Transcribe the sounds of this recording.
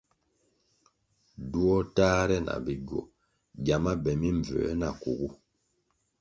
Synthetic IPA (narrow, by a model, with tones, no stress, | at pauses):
du˦ɔ˦taː˦ɾɛ˦na̰˨bi˨ɡɔ̰˨ | ɟa˨ma˦bɛ˨mi˦ɱ˨vɛ̰˨˦na˨kṵ˨ɡu˦